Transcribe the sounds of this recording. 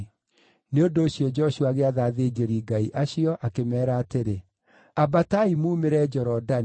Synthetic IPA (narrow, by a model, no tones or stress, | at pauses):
neondoːɕiɔd͡ʒɔɕuaɣeaðaːðed͡ʑeɾiɡaiʔaɕiɔʔakemɛːɾaːteɾe | abataimuːmeɾɛd͡ʒɔɾɔda